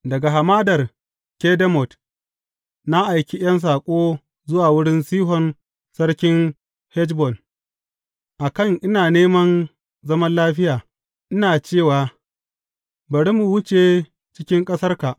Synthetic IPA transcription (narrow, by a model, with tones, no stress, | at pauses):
dɐ˨ɡa˨ɦa˨maː˦dɐ˨r | kʲe˦dɐ˦mɔ˨t | na˦ʔa˨jkʲi˦j̰ɐ˦ns̬aː˨kʷʼoː˦ | zʊ˦waː˨wʊ˦ɽɪ˦nsiː˦ɦɔ˨n | sɐ˦ɽkʲɪ˦n | hɛ˦d͡ʒbɔ˨n | ʔa˨kɐ˦˨ŋʔɪ˦naː˨neː˦mɐ˦n | zɐ˦mɐ˦nlaː˦ɸɪ˦jaː˨ | ʔɪ˦naː˨t͡ʃeː˦˨waː˨ | bɐ˨ɽi˦mu˨wʊ˦t͡ʃe˨ | t͡ʃɪ˦kʲɪ˦ŋkʼɐ˦sɐ˦rka˨ʔ